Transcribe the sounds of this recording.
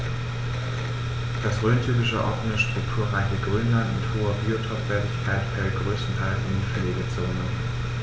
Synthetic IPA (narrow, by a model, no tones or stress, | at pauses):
d̥asʁøːntʰyɐɡɪʃəʔɔ̰fn̩əʃtʁ̥ʊktʰuːɐʁaɪçəɡʁyːnlantmɪthoːɐbiːotʰɔkv̥ɛɐtɪçkʰaɪtfɛlt̚ɡ̥ʁøːstn̩tʰaɪlsɪndɪnfɛleːɡət͡soːnə